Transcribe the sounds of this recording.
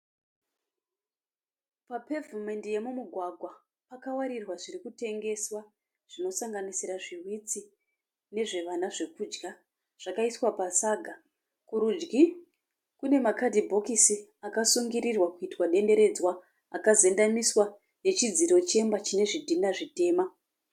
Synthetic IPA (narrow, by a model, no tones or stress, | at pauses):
pape̞vume̞ndije̞mumuɡʱwaɡʱwa | pakawaɾirwaʐirikute̞ŋɡe̞swa | ʐ̥ino̞saŋɡanisiɾaʐirwit͡si | ne̞ʐe̞ʋanaʐe̞kuːd͡ʒɡa | ʐ̥akaiswapasaːɡʱa | kuɾud͡ʒɡi | kune̞makadʱibʱo̞kisiakasuŋɡiɾirwakuitwaɗe̞nde̞ɾe̞d͡zwa | akaze̞ndamiswa | ne̞t͡ʃid͡ziɾo̞t͡ʃe̞mbat͡ʃine̞ʐidʱinaʐite̞ːma